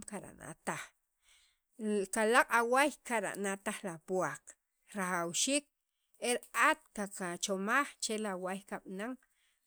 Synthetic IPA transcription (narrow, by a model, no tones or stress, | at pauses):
kaɾa̰ʔna̰t̪aχ | kalaqʼawajkaɾa̰ʔnat̪aχlapwak | ɾaχawʃiːk̚ | eɾat̪̚kakat͡ʃomaχt͡ʃelawajkaɓ̥naŋ